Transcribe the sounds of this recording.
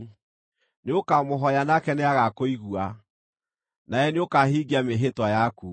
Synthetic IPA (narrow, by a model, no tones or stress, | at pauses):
neokamoɦɔjanakɛneaɣakoiɣua | naɛneokahiɡiameɦetwajaku